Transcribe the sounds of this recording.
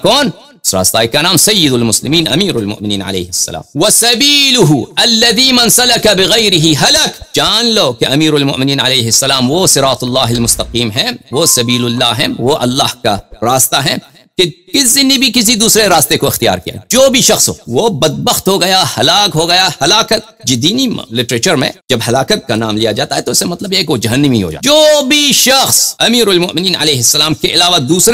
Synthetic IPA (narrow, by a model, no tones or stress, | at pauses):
kɔːn | ʊsɾa̰ːst̪aːikanaːmsɐjːɪd̪ʊlmʊslɪmiːnɐ̰miːɾɐlmʊ̰ʔmɪniːnʕɐ̰lḛːɦɪsːɐ̰la̰ːmwɐsɐbiːlʊɦuɐlːɐd̪iːmɐnsɐlɐkɐbɪɣɐjɾɪɦiɦɐlɐkd͡ʒaːnloːkeɐmiːɾɐlmʊ̰ʔmɪniːnʕɐleːɦɪsːɐlaːmwoːsɪɾaːt̪ʊlːaːɦɪlmʊst̪ɐqiːmɦɛ̃ʋoːsɐbiːlʊlːaːɦɛ̰̃ʋoʔɐ̰lːaːɦkaɾaːst̪aɦɛ̃ː | kekɪsinibʱikɪs̬id̪uːsɾeɾaːst̪ekoɪxt̪ija̰ːɾkija̰d͡ʒoːbʱiʃɐxsɦo̰ːʋobɐd̪̚bəxt̪ɦoɡɐjahɐlaːkɦoɡɐjahɐlaːkət̪̚d͡ʒɪd̪iːnilɪʈɾeːt͡ʃəɾmḛ̃d͡ʒɐbɦɐlaːkət̪̚kanaːmlijad͡ʒaːt̪aɦɛt̪oɪsːemɐt̪ləbjekeʋod͡ʒɐɦənːəmiɦo̰d͡ʒa̰ːd͡ʒoːbʱiʃɐxsɐmiːɾʊlmʊ̰ʔmɪniːnɐ̰leːɦɪsːɐlaːmkeʔɪlaːʋad̪uːsɾ